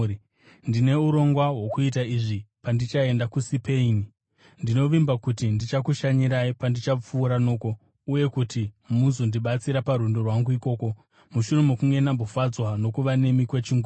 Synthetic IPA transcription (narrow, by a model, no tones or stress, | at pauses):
ndine̞uɾo̞ŋɡwawo̞kuit̬aiʐipandit͡ʃae̞ndakusipe̞ini | ndino̞ʋimbakutindit͡ʃakuʃaɲiɾaipandit͡ʃap͡fuːɾano̞ːko̞ | uje̞kutimuzo̞ndiɓat͡siɾapaɾundo̞rwaŋɡuiko̞ːko̞ | muʃure̞mukuŋɡe̞nambofad͡zwano̞kuʋane̞mikwe̞t͡ʃiŋɡo